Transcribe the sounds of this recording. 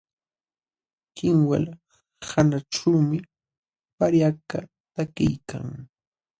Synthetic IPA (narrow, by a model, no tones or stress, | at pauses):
kɪŋwa̰l | hanaʈ͡ʂaːmɪ | paɾjaka̰ | t̪akɪjkʰa̰ŋ